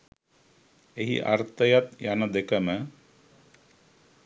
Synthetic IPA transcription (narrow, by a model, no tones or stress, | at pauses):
eɦḭʔa̰rt̪əjat̪janəd̪ekəmə